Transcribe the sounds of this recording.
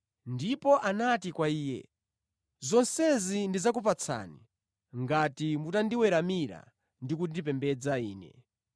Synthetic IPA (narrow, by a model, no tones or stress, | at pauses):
ndipɔʔanatikwaiːjɛ̰ | zɔnsɛzindizak̬up̬at͡sʰa̰ːni | ŋɡatimutandiwɛɾamiɾa̰ | ndikudipɛmbɛd͡zaiːnɛ̰